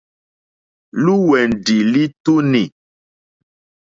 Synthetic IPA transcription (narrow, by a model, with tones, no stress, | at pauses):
lu˦wɛ˨n̩˨di˨li˦tu˦ni˨